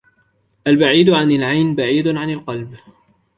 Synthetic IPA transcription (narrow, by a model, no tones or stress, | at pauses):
ʔalbaʕiːd̪ʕanalʕajnbaʕiːd̪ʕanalqɑlb